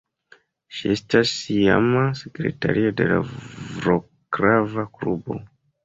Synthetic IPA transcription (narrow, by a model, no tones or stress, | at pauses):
ʃiestasia̰masekɾe̞̰ta̰ɾʔio̞de̞lavɾo | kɾavaklubo̞̰